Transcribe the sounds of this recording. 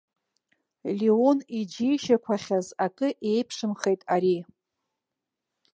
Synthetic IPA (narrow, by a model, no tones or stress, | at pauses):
lionid͡ʒijʃakʷʰaχʲazakʼɨʔe̞jpʰʂɨmχe̞jtʼaɾi